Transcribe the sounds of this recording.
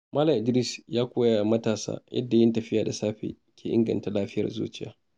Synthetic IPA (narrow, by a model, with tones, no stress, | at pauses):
maː˦lɐ˨ʔɪ˨dɾi˦sjaː˦kʷoː˦ja˨mɐ˦taː˨sa̰ː˦jʔɐ̰˦dːa˨jɪ˦ntɐ˨ɸɪ˦jaː˨da˨saː˦ɸḛː˨ | kʲʰeː˨ʔɪ̰˦ŋɡɐ̰˨nta˨laː˦ɸɪ˦jɐ̰˨rzṵː˦t͡ʃɪ˦ja̰ː˦